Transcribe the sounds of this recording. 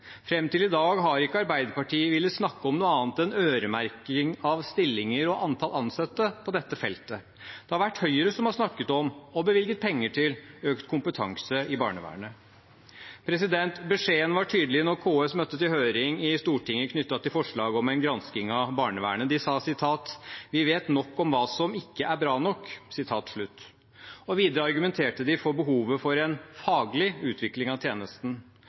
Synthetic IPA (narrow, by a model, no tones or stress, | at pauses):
fɾɛmt̪ɪlɪd̪ɑːɡɦɑɾɪkːəɑɾbæɪd̪əɾpɑʈʰiːəʋɪlːəsnɑkːəɔmnuːəɑːnt̪ɛnøːɾəmæɾkɪŋɑʋst̪ɪlːɪŋəɾɔʔɑnt̪ʰɑlɑnsɑt̪ːəpʰɔd̪ɛt̪ːəfɛlt̪ə | d̪̥ɛhɑɾʋæʈːhœʏəɾəsɔmhɑʂnɑkːət̪ɔmɔbəʋɪlɡət̪̚pʰɛŋːəʈʰɪløːkt̪kʰʊmpət̪ʰɑ̰ŋsəɪbɑ̰ːɳə̰ʋæ̰ːɳə | pʰɾɛsɪd̪ɛnt̪bɛʂeːənʋɑʈʰyːd̪l̩ɪnɔɾkʰoːɛsmœt̪ːət̪ɪlhøːɾɪŋɪst̪uːʈɪŋːəkʰnʏt̪ːɑt̪ɪlfɔʂɭɑːɡɔmɛnɡɾɑnskɪŋɑbɑːɳəʋæ̰ːəɳəd̪ɪsɑːsɪt̪ʰɑːt̪ʋɪʋeːt̪nɔkːɔmʋɑːsɔmɪkːəʔæɾbɾɑːnɔkːsɪt̪ʰɑːt̪ʂɭʉt̪ː | ɔʋiːd̪əɾəɑɾɡʉmɛnt̪ʰeːʈəd̪ɪfɔbəɦuːʋəfɔɾɛnfɑːɡlɪʉːt̪ʰʋɪklɪŋɑʋt̪ʰjeːnəst̪n̩